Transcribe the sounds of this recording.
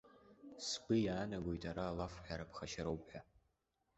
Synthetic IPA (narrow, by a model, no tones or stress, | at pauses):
sɡʷɨjaːnaɡʷo̞jtʼaɾaːlafħʷᶣaɾapʰχaʃaɾowpħʷᶣa